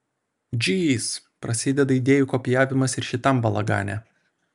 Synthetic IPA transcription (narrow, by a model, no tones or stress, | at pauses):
d͡ʒʲiːs | pɾɐsʲɪd̪ʲɛd̪ɐid̪ʲeːjukoːpʲɪjæːʋʲɪmɐsɪɾʃʲɪt̪ɐmbɐlˠɐɡɑ̰ːnʲæ̰